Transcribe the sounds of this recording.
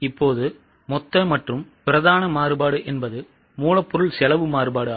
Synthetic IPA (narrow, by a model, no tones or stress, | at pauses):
ɪpːoːðɯ | mɔt̪ːɐmɐʈrɯmpɪɾɐðaːnɐmaːɾɯbaːɽɯʔɛnbɐðɯ | muːlɐpːɔɾɯɭsɛlɐʋɯmaːɾɯbaːɽɯ